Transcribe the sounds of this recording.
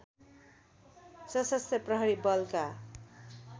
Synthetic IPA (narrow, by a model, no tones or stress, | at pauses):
sʌsʌst̪ʰʌprʌɦʌɾibʌlka